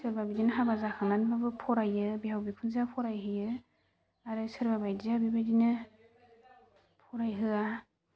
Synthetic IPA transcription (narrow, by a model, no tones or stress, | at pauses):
sɯɾbabidinɯɦabazakʰaŋnanbabɯpʰɔɾajɯbihawbikʰunzapʰɔɾajɦɯjɯ | aɾɯsɯɾbabajdiabibajdinɯ | pʰɔɾajɦɯa